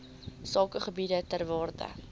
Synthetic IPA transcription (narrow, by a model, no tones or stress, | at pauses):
sɑːkəχəbidətærvɑːrdə̰